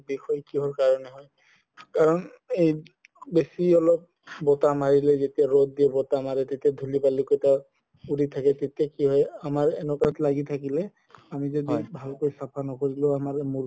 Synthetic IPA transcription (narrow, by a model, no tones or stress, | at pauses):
bixɔjkiɦɔɹkaɹɔnɛɦɔj | kaɹɔn | ej | besiɔlɔp̚ | bɔtamaɹilɛzetijaɹɔd̚diɛbɔtamaɹɛtetijadʱulipalikojta | uditʰakɛtetijakiɦɔjamaɹɛnɔkatlaɡitʰakilɛ | amizɔdibʱalkojsapʰanɔkoɹilʊamaɹmu